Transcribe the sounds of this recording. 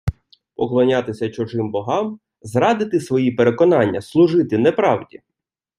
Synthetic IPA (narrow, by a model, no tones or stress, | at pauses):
pɔklˠɔnʲat̪ɪsʲɐt͡ʃʊʒɪmbɔɦɑm | zɾɑd̪ɪt̪ɪsʋɔjipeɾe̞kɔnɑnʲːɐslˠʊʒɪt̪ɪnɛpɾɑwdʲi